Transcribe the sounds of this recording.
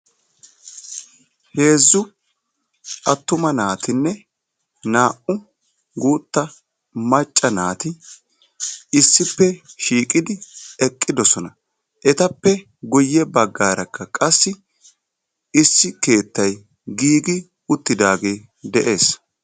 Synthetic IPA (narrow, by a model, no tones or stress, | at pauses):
he̞ːzːʊ | ʔɐt̪ːʊmɐnaːt̪ɪnːɛ | naːʔʊ | ɡuːt̪ːɐ | mɐt͡ʃʼːɐnaːt̪ɪ | ɪsːɪpːɛʃiːkʼɪd̪ɪɛkʼːɪd̪ɔsɔnɐ | ʔɛt̪ɐpːɛ | ɡʊjːɛbɐɡːaːɾɐkʰːɐkʼɐsːɪ | ɪsːɪke̞ːt̪ːɐj | ɡiːɡɪ | ʊt̪ːɪd̪aːɡe̞ː | d̪ɛʔe̞ːs